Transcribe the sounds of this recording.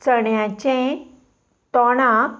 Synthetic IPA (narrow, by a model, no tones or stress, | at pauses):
t͡səɳjãt͡ɕɛ̃ | t̪ɔɽ̃ã